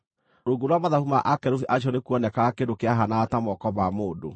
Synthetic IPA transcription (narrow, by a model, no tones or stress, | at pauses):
ɾoɡoɾwamaðahumaʔakɛɾofiʔaʃ̬ɔnekuɔnɛkakedokeaɦanaːtamɔkɔβamoːdo̰